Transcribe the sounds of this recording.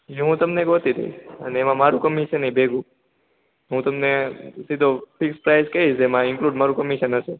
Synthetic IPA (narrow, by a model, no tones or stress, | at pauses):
ɦiɦũt̪əmneɡot̪id̪ʱḛiəneemãmaɾũkəmiʃənəibʱeɡʱũ | ɦũt̪əmnesid̪ʱofʰɪkspɾajzkəɦiʃemãɪŋkluɖmaɾũkəmiʃənəse